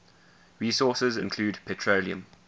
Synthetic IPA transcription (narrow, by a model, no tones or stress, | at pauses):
ɹiːsɔˑsəzɪ̰̃nkʰl̥uːdpʰɛtʰɹoliə̰̃m